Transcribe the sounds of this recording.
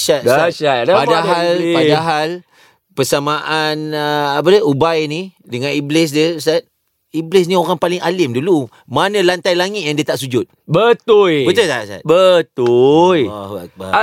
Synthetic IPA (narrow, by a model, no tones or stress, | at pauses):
ʃaaʃadapadaɦalpadaɦal | pəsamaʔanəapadəubajnidəŋãniblɪs̬dəst̪at̪̚ | iblɪs̬nĩoɾaŋpalɪŋalɪmdulu | manə̃lant̪ajlaŋɪt̪̚jaŋdiət̪aʔsud͡ʒʊt̪̚bət̪ʊlbət̪ʊlt̪aʔsa̰t̪bət̪ula̰ba